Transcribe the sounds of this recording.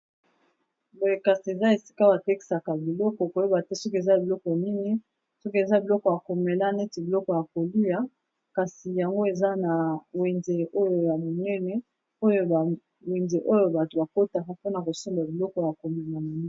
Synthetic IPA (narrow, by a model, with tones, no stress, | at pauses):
bo˨je˨ka˨si˨e˨za˦e˨si̥˦ka˦ba˨tɛ˦ki̥˦˨sa˨ka˨bi˨lɔ˦kɔ˨ko˨˦o˦ba˨tɛ˦sɔ˦ke˨za˦˨bi˨lɔ˦kɔ˨ja˨ni˦ŋi˦ | sɔ˦ke˨za˦bi˨lɔ˦kɔ˨ja˨ko˨me˨la˦ne˦ti˨bi˨lɔ˦kɔ˨ja˨ko˨li˦ja˦ | ka˨si˨ja˨ŋɡo˦e˨za˦na˨we˨nze˨o˦jo˦ja˨mo˨nɛ˦nɛ˦ | o˦jo˦ba˨ | we˨nze˨ʔo˦jo˦ba˨to˨ba˨ko˦ta˨ka˦po˦na˨ko˨so˦mba˨bi˨lɔ˦kɔ˨ja˨ko˨mɛ˨la˨ma˨n˦